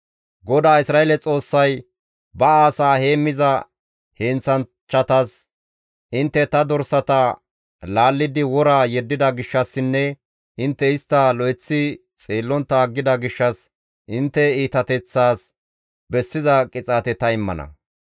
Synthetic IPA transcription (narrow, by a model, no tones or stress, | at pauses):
ɡɔd̪aːɪsɾaːelɛt͡sʼo̞ːsːɐj | bɐaːsaːhe̞ːmːɪzɐ | heːnt͡sɐn | t͡ʃːɐt̪ɐs | ɪnt̪ːɛt̪ɐd̪ɔɾsɐt̪ɐ | laːlːɪd̪ɪwɔɾaːjɛd̪ːɪd̪ɐɡɪʃːɐsːɪnːɛ | ɪnt̪ːɛɪst̪ːɐlɔɛt͡sːɪ | t͡sʼeːlːɔnt̪ːɐːɡːɪd̪ɐɡɪʃːɐs | ʔɪnt̪ːɛiːt̪ɐt̪ɛt͡sːaːs | bɛsːɪzɐkʼɪt͡sʼaːt̪ɛt̪ɐɪmːɐ̰nɐ̰